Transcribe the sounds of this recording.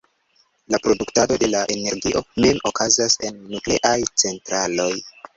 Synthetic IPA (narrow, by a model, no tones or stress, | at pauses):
lapɾo̞duktado̞de̞laʔe̞ne̞ɾɡiʔo̞memo̞kazase̞nːukle̞ʔajt͡se̞ntɾalo̞j